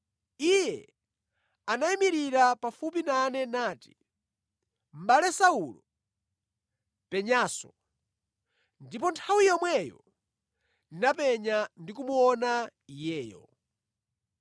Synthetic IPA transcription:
ijɛ | anaimiɾiɾapafupinanɛnaːti̥ | m̩ɓalɛsaulɔ | pɛɲaːsɔ | ndipɔntʰawijɔmwɛjɔ̰ | inapɛɲandikumuɔnaijɛːjɔ̰

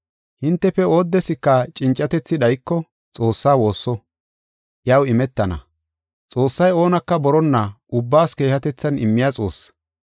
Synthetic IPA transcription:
hɪnt̪ːɛfɛo̞ːd̪ːɛsɪkːɐt͡ʃʼɪnt͡ʃʼːɐt̪ɛt͡sːɪd̪ɐjkːɔ | t͡sʼo̞ːsːaːwo̞ːsːɔ | ʔjɐwɪmɛt̪ːɐnɐ̰ | t͡sʼo̞ːsːɐjo̞ːnɐkːɐbɔɾɔnːɐ | ʊbːaːske̞ːhɐt̪ɛt͡sːɐnɪmːɪjat͡sʼo̞̰ːsː

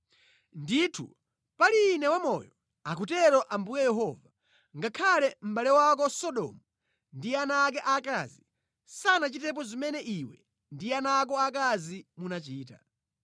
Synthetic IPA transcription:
nditʰṵ | paliːnɛwamɔjɔ | ak̬utɛɾɔʔambujɛjɛɦɔva | ŋɡakʰalɛm̩ɓalɛwakɔsɔɗɔ̰mu | ndianaːk̬ɛʔakazi | sanat͡ʃitɛp̬ɔzimɛnɛʔiwɛ̰ | ndianaːk̬ɔakazimunat͡ʃiːta̰

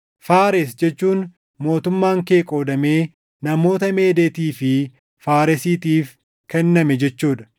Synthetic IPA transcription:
faːɾɛsd͡ʒɛt͡ʃːuːn | mo̞ːt̪ʊmːaːŋke̞ːkʼo̞ːd̪ɐme̞ː | nɐmo̞ːt̪ɐme̞ːd̪eːt̪iːfɪ | faːɾɛsiːt̪iːf | kɛnːɐmɛd͡ʒɛt͡ʃːuːᶑ̪ɐ̥

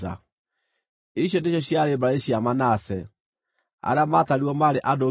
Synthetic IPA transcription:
a̰ | iɕjɔndeɕjɔɕjaɾebaaeɕjamanasɛ | a̰ɾeamataɾiwɔmaɾeʔado

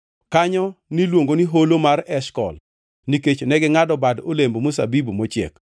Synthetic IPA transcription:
kaɲɔnilwoŋɡoniɦolomarɛʃkɔ̰l | niket͡ʃnɛɡɛŋadɔbadolembomosa̰bibmɔt͡ʃɛ̰k

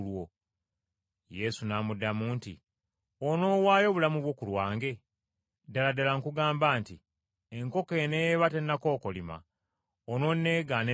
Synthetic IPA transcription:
lwo | je̞sunaːmudːamuːntḭ | ono̞ːwaːjo̞βulamuβwo̞ːkulwaːŋɡe̞ | daladalaŋkuɡaːmbaːnti | eŋko̞kenejβatenːako̞ːko̞lima̰ | ono̞nːe̞ːɡane

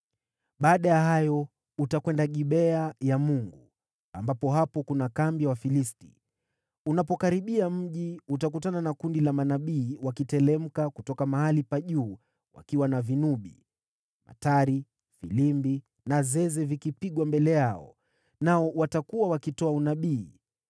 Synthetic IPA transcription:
ɓaːɗajahajɔ | utakwɛndaɠiɓɛajamuŋɡu | ambapɔɦapɔkunakambjawafilisti̥̰ | unapɔkaɾiɓiam̩ʄiutak̬utananakundilamanaɓiːwakitɛlɛm̩kakutɔkamahalipaʄuː | wa̰kiwanavinuɓḭ | ma̰taɾi | filimbi | nazɛzɛvikipiɠwambɛlɛjaɔ̰ | naɔwatakuwawakitɔaunaɓiː

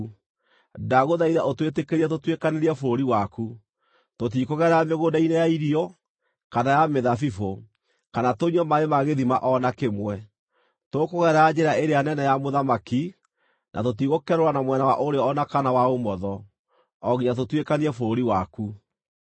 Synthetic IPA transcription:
daɣoðaiðaʔotwet̬ekeɾiɛt̬otwekaneɾiɛfoɾoɾiwaku | tot̬ikoɣɛɾameɣodainejaiɾiɔ | kanajameðafifo | kanatoɲɔmaemaɣeðimaʔɔnakemwɛ | tokoɣɛɾaːd͡ʑeɾaeɾejanɛnɛjamoðamaki | nʔa̰tot̬iɣokɛɾoɾanamwɛnawaʔoɾeɔɔnakanawaomɔðɔ | ɔɣiɲat̬otwekaniɾɛfoɾoɾiwaku

